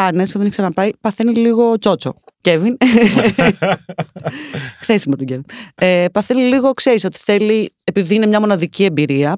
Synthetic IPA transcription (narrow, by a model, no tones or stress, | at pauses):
ɐnesceðeniçksɾɐnɐpɐipɐθeniliɣo̞t͡so̞t͡so̞̰cevin | xθesimɐt̪oɟevinepɐθe̞niliɣo̞kseɾiso̞t̪i̥θe̞liepiðiinemɲɐmo̞nɐðicie̞mbiɾiɐ